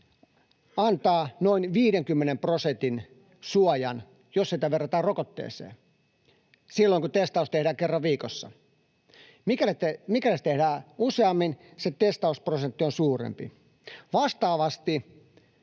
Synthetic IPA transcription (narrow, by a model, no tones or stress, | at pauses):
ɑnt̪ɑːnoinʋiːɾeŋkymːenemprosent̪in | suɑjɑ̰n | jossit̪æʋerːɑt̪æːrrokot̪ːḛːsḛː | silːoiŋkut̪est̪ɑust̪ehɾæːkerːɑʋʋiːkosːɑ̰ | mikælet̪emikælest̪ehdæːuseɑmːinset̪est̪ɑusprosent̪ːionsuːrḛmpḭ | ʋɑst̪ɑːʋɑst̪i